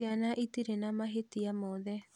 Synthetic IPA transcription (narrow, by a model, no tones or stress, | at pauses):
anãʔit̪iɾenãmãɦet̪iamod̪e